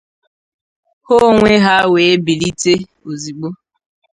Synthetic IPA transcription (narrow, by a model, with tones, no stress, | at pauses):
ho˦ŋʷe˦ɦa˦we˨˦bi˨li˦te˦ | o˨zi˨k͡po˦